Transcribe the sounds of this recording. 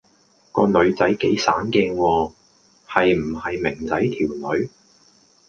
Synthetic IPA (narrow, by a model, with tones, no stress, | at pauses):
kɔː˧nɵ˨˧ɥt͡sɐ˨˥jke˨˥jsaː˨˥nkɪ˧ŋwɔː˧ | hɐ˨jm̩˨˩hɐ˨jmɪ˨˩ŋt͡sɐ˨˥jt̪ʰiː˨˩wnɵ˨˧ɥ